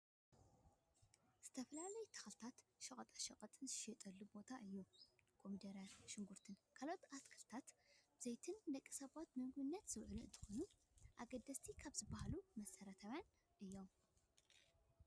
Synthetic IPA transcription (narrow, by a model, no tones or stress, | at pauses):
z̥ɨt̪ʰɐfɐlalɐjt̪ʰɐ̥xɐlt̪ʰat̪ʃɐkʼɐt̪ʼaʃɐkʼɐt̪ʼɨnzɨʃɛt̪ʼɐlːubo̞t̪ʰaʔɨjːukʰo̞mid̪ɐɾjanʃɪŋɡuɾt̪ʰɨnkʰalo̞t̪at̪kʰɐlt̪ʰat̪bɨzejt̪ʰɨnd̪ɐkʼːisɐβat̪mɨŋɡbɨnːɐt̪z̥ɨwʕɨluɨnt̪ʰɨ̥xonu | ʔa̰ɡɐd̪ːɐst̪ʰikʰaβzɨbahalumɐsɐɾɐt̪ʰawjan | ʔɨjːo̞m